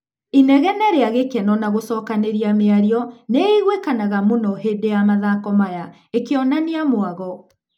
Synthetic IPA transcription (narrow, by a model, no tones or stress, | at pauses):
inɛɣɛnɛɾeaɣekɛnɔnaɣosɔːkaneɾiameaɾiɔneiɣwekanaɣamonɔɦedejamaðakɔmaja | ekeɔnaniamoaɣɔ